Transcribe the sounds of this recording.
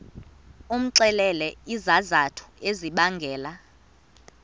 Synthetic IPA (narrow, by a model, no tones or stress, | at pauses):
um̩ǀɛlɛlɛizazatʰu̥eziɓaŋɡʱɛːla